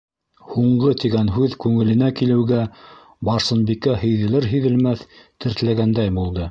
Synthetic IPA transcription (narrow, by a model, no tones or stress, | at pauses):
huɴɢɤt̪iɡænɦʉðkʉŋɘ̆lɘ̆nækilɘ̆wɡæ | bɑɾsɤ̆nbikæhɘ̆jðɘ̆lɘɾɦɘ̆ðɘ̆lmæθt̪ɘ̆ɾt̪læɡænd̪æjbulˠd̪ɤ